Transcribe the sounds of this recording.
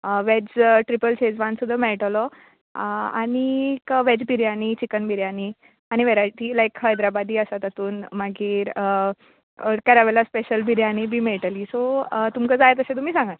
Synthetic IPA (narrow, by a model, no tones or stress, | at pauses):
əʋɛd͡zʈɾipəlt͡ɕed͡zʋãnsud̪ʱːəmɛɭʈlɔ | a̰ɽ̃ikʋɛd͡zbʱiɾjaniːt͡ɕikənbʱiɾjani | aɽ̃iʋeɾaʈ̪iːlajkhəjd̪ɾabad̪iːəsat̪at̪uːnmaɡiːɾə | kəɾaʋɛlaspeɕəlbʱiɾjañibʱiːmeɭʈəliːsot̪umkəd͡zajet̪̬əset̪umiːsãŋɡa